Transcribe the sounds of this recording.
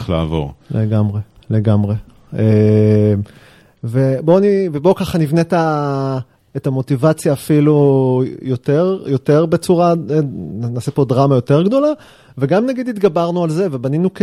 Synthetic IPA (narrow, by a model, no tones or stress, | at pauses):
la̰ːvo̞̰ʁleɡamʁe̞le̞ɡamʁe̞ | e | veboanivebo̞kaχanivneta | etamo̞tivat͡sjaːfilujoteʁjo̞teʁbe̞t͡suʁaenanaːsepo̞dʁamajo̞teʁɡdo̞la | veɡamnaɡid̪itɡabaʁnualze̞vebaninuk